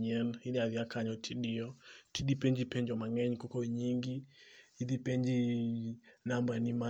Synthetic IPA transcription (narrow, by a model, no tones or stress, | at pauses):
ɲɛnhiniaðiakaɲɔtʰiɗiɔtiɗipɛɲd͡ʒipɛɲd͡ʒɔmaŋɛɲkɔkɔiɲiŋɡihiðipeɲd͡ʒi | nambanima